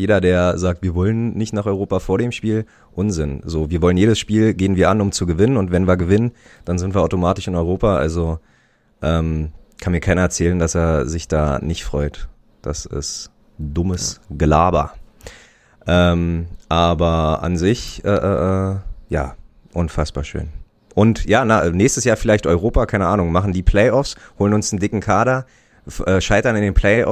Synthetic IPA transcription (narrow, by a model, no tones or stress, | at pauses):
jeːdɐdeːɐɐzaːk̚tv̥iːɐvɔlənːɪçtnaːχʔɔʏʁ̞oːpafoːɐɾeːmʃpiːl | ʔʊnzɪnzoːviːɐvɔlənjeːdəsʃpiːlɡeːənviːɐʔanʊmt͡suɡəvɪnənʊntvɛnviːɐɡəvɪnən | d̥anzɪntviːɐʔaʊtomaːtɪʃɪnɔʏʁoːpaʔa̰lzo | ʔɛːmkʰanmiːɐkʰaɪnɐɛɐt͡sɛːləndaseːɐzɪçd̥aːnɪçtfʁ̥ɔʏt | d̥asɪ̰st | d̥ʊməsɡlaːbɐ | ʔɛːmʔaːbɐʔa̰nzɪçʔɛːʔɛːʔɛːjaː | ʔʊnfasb̥aːɐʃø̰ːn | ʔʊntjaːnaʔɛːnɛːçstəsjaːɐfɪlaɪçtʔɔʏʁ̞oːpaːkʰaɪnəʔaːnʊŋmaχn̩diːpʰl̥ɛɪɔfshoːlənʊnsn̩dɪkŋ̩kʰaːɾɐ | ʔɛːʃaɪtɐnɪndeːnpʰl̥ɛɪʔɔ̰